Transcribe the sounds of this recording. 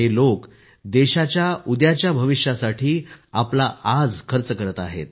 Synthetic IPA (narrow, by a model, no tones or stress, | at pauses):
ɦelok | d̪eɕat͡ɕjaud̪jat͡ɕjabʱəʋiʂjasaʈʰiːaplaad͡zkʰəɾət͡səkəɾət̪aɦḛt̪